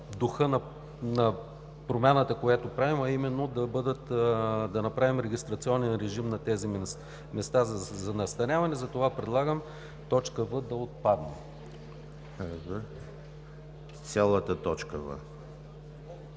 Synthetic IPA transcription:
d̪oxɤnɐ | nɐ | pɾomʲanət̪əkojat̪opɾavimɐimɛnːod̪ɐbɤd̪ət̪d̪ɐnɐpɾavimɾɛɡʲist̪ɾɐt̪siɔnɛnɾɛʒimnɐt̪ɛzi | mɛst̪azzɐnɐst̪ɐɾʲavɐnɛzɐt̪ovapɾɛd̪lˠaɡəm | t̪ɔt͡ʃkəvəd̪ɐot̪̚pad̪nɛ | z | t̪sʲalˠət̪ət̪ɔt͡ʃkəvə̰

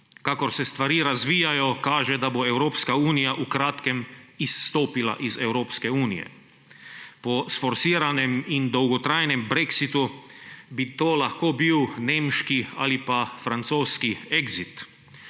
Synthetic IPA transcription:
kakɔɾsɛst̪ʋaɾiːɾazʋiːjajɔkaːʒɛd̪aboɛwɾoːpskauːnijaʔukɾaːt̪kɛmisːt̪oːpila̰ʔizɛwɾoːpskɛuːnijɛ̰ | pɔsfɔɾsiːɾanɛmind̪ɔwɡɔt̪ɾajnɛmbɾeksit̪ubit̪oːlaxkoːbiwneːmʃkia̰ːlipafɾant̪soːskiɛɡzit̪

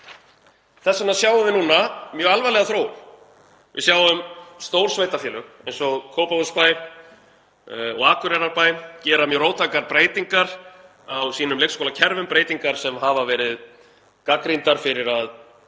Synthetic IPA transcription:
θɛsːanasjaːwʏvɪnuːnamjœːɣalvalɛɣaθɾoːwm | vɪ̰sjaːwʏmst̪oːwɾ̥svejt̪afjɛːlʏɣejnsɔɣkʰowpavuspaj | ɔ̰ɣaːkʏɾɛɾaɾpajcɛːɾamjœːɾowt̪ʰakaɾpɾeːjt̪iŋkaɾ̥ | awsiːnʏmlekskoːlacʰɛɾvʏmpɾeːjt̪iŋkaɾ̥sɛmɦavavɛːɾɪð | kakɾint̪aɾ̥fɪɾɪɾað

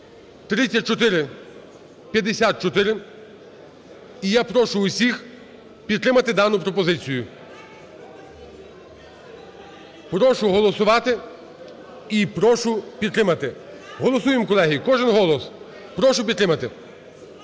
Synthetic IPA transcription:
t̪ɾɪt͡sʲːɐt̚ʲt͡ʃɔt̪ɪɾɪ | pʲjɐd̪esʲat̪̚t͡ʃɔt̪ɪɾɪ | ijapɾɔʃʊʊsʲix | pʲid̪t̪ːɾɪmɐt̪ɪd̪ɑnʊpɾɔpɔzɪt͡sʲijʊ | pɾɔʃʊɦɔlˠɔsʊʋɑt̪ɪ | ipɾɔʃʊpʲid̪t̪ɾɪmɐt̪ɪ | ɦɔlˠɔsujemkɔlˠɛɦʲikɔʒɪnɦɔlˠɔs | pɾɔʃʊpʲid̪t̪ɾɪmɐt̪ɪ

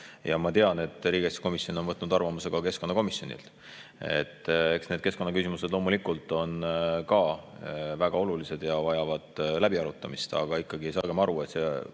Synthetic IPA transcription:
jɑ̰mɑt̪e̞ɑne̞t̪ːˑriːɡ̥est̪ko̞misjo̞no̞nvɤt̪ːˑnud̪ɑrvɑmuse̞ɡ̥ɑke̞sko̞nːɑko̞misjo̞nḭlt̪ | e̞̰t̪ːe̞ksne̞d̪̥ke̞sko̞nːɑkysimuse̞d̪̥lo̞ːmulikult̪ːˑo̞nkɑ | væɡ̥ɑo̞lulise̞d̪̥jɑvɑjɑvɑd̪̥læb̥iɑɾut̪ːˑɑmist̪ɑ̰ɡ̥ɑikːˑɑɡiejsɑːɡ̥e̞mɑɾue̞t̪se

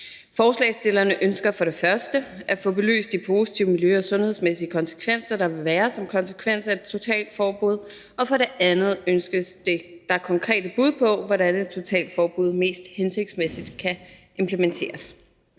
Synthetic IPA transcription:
fɒːslɛ̰ːɪsd̥e̝lɐnəʔønsɡ̥ɐfɒ̽ɾe̝fɶɐsd̥əʔæfɔ̰̽ːb̥e̝ly̰ːsd̥ipʰo̝ːsi̥t͡sʰiʊ̰miljøɒ̽sɔ̽nhe̝ðˠsmesiəkʰɒ̽nsə̥kʰʋen̰sɐɾ̥ɑ̈ʋe̝ʋæːɐsɒ̽mkʰɒ̽nsə̥kʰʋen̰sæed̥̚t͡sʰo̝t͡sʰɛ̰ːld̥fɒːb̥uð̰ˠ | ɒ̽fɒ̽ɾe̝ænð̞̩ˠønsɡ̥əsd̥e̝d̥ɑ̈kʰɒ̽ŋkʰʁɛ̰ːdəb̥uð̞̰ˠpʰɒ̽ʋɒɾæned̚t͡sʰo̝t͡sʰɛ̰ːld̥fɒːb̥uð̞̰ˠme̝̰ːsd̥hense̝ɡ̥̚d̥smesid̥kʰæʔe̝mpʰlement͡sʰe̝̰ːɐs

